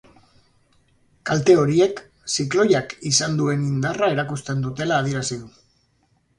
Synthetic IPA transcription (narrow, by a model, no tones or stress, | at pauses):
kalt̪e̞o̞ɾie̞k | siklo̞jakisand̪ue̞nind̪arae̞ɾakust̪e̞nd̪ut̪e̞laːð̞ieɾasiðu